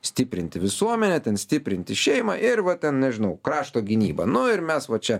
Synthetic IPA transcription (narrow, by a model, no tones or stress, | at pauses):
sʲt̪ʲɪpʲɾʲɪnʲt̪ʲɪʋʲɪsuɔmʲɛnʲɛt̪ʲɛnsʲt̪ʲɪpʲɾʲɪnʲt̪ʲɪʃʲɛɪmɑːʔɪɾʋɐt̪ʲɛnnʲɛʒʲɪnɐʊkɾɑːʃt̪oːɡʲɪnʲḭːbɐ̰nʊɪɾmʲɛsʋɐt͡ʃʲɛ